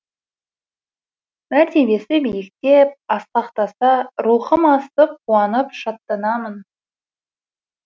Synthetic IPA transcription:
mæɾt̪e̞be̞sɪbejɪk̚t̪e̞p̚ɑsqɑqt̪ɑsɑɾuχəmɑst̪əp̚qʰuɑnəpʃɑt̪ːɑnɑmən

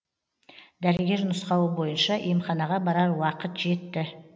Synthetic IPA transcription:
d̪æɾɪɡʲe̞ɾnʊsqɑwəbo̞jənʃɑʔemχɑnɑʁɑbɑɾɑɾwɑqət̪ʒe̞t̪ːɪ

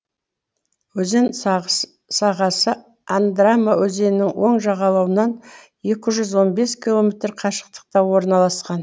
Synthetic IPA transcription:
wɵzen | sɑʁɑsə | and̪ramːawɵze̞nɪnɪŋwo̞ɴʒɑʁɑlˠɑwənɑn | je̞kʲɪʒʏzwo̞nbe̞skʲilˠo̞mʲe̞t̪rqʰɑʃə̥q̚t̪ə̥q̚t̪ɑwo̞ɾnɑlˠɑsqɑn

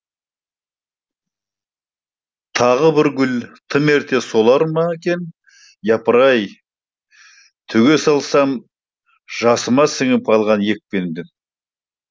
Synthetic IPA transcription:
t̪ʰɑʁəbɪɾɡʲʏlt̪ʰəme̞ɾt̪ʰe̞so̞lˠɑɾmɑekʲe̞n | jɑpəɾɑj | t̪ʰʏɡʲe̞sɑlˠsɑm | ʒ̥ɑsəmɑsɪŋɪp̚qʰɑlˠʁɑnje̞k̚pe̞nd̪ɪ

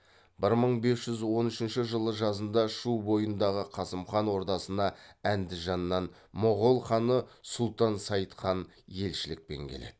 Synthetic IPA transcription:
bɪɾməɴbe̞sʒʏzwo̞nʏʃɪnʃɪʒəlˠəʒɑzənd̪ɑʃubo̞jənd̪ɑʁəqʰɑsəmχɑnwo̞ɾt̪ɑsənɑænd̪ɪʒɑnːɑn | mʊʁolˠχɑnəsʊlˠt̪ɑnsɑjt̪qɑn | je̞lʃɪlɪk̚pe̞̰ŋkʲʰele̞̰d̪̥ɪ

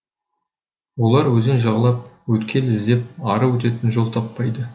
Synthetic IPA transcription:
wo̞lˠɑɾwɵzɪnʒɑʁəlˠɑp̚wɵt̪kʲʰe̞lɪzd̪e̞p̚ɑɾəwɵt̪e̞t̪ɪnʒo̞lˠt̪ʰɑpːɑjd̪ə

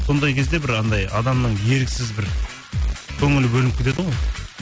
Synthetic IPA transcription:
so̞nd̪ɑjkʲʰe̞zd̪e̞bɪɾɑnd̪ɑjɑd̪ɑmnəɴje̞ɾɪkʲɪsɪzbɪɾ | kʲʰɵŋɪlbɵlɪnɪpkʲʰɪt̪e̞d̪əʁoj

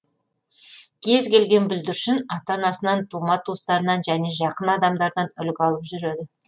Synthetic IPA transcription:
kʲʰe̞zkʲʰe̞lɡʲe̞nbʏld̪ɪɾʃɪnɑt̪ɑnɑsənɑnt̪ʰumɑt̪ʰost̪ɑɾənɑnʒæne̞ʒɑqənɑd̪ɑmd̪ɑɾd̪ɑnʏlɡʲɑlˠəpʒʏɾe̞d̪ɪ

